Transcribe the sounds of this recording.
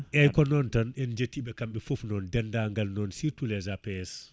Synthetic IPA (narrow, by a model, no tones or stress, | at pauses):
ʔɛjkɔnɔntɔnɛnd͡ʒetːiɓɛkamɓɛfufnɔndɛndaŋɡalnɔnsitulɛzapɛɛs